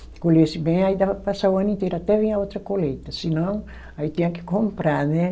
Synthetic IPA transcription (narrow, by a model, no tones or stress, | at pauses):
kolesibẽj̃ajd̪apasawanĩt̪eɾat̪ɛvĩaot̪ɾɐkolejt̪ɐsinõŋ | ait̪iãke̥kõmpɾanɛ